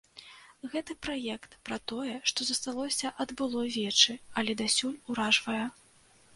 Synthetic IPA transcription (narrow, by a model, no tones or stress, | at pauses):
ɣɛt̪ɨpɾajɛkt̪pɾɐt̪ɔjɛʂt̪ɔzɐst̪alˠɔsʲɐʔɐd̪bɨlˠɔvʲɛt͡ʂɨɐlʲɛd̪asʲulʲuɾaʐvɐjɛ